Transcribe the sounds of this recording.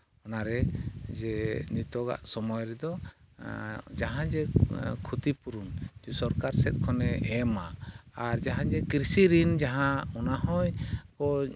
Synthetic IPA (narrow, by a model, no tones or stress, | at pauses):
ɔnaɾɛd͡ʒɛnit̪ɔɡa̰ʔsɔmɔjɾɛd̪ɔ | d͡ʒaɦãd͡ʒɛkʰut̪ipuɾund͡ʒusɔɾkaɾsɛt̪̚ˀkʰɔnɛɛmaːɾd͡ʒaɦãd͡ʒɛkɾisiɾind͡ʒaɦãɔnaɦɔjkɔ